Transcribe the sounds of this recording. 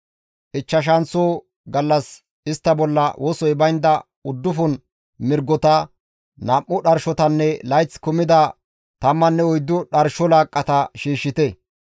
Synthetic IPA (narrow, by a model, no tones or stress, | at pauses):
ʔɪt͡ʃːɐʃ̬ɐnt͡soː | ɡɐlːɐs | ɪst̪ːɐbɔlːɐwʔɔsɔjbɐjnd̪ɐ | ʊd̪ːʊfʊn | mɪɾɡːɔt̪ɐ | nɐmːʊɗɐɾʃɔt̪ɐnːɛlɐjt͡skʊmɪd̪ɐ | t̪ɐmːɐnːɛɔjd̪ːʊɗɐɾʃɔlaːkʼːɐt̪ɐʃiːʃːɪt̪ɛ